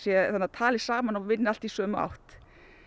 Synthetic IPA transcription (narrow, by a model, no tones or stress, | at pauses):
sjɛanːat̪ʰaːlɪsaːmanɔvɪnːɪal̥t̪isœːmʏa̰wht̪